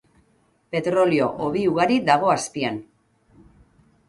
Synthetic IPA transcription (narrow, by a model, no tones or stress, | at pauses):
pe̞t̪ɾo̞lio̞ʔoβiuɣaɾid̪aɣ̞o̞aspian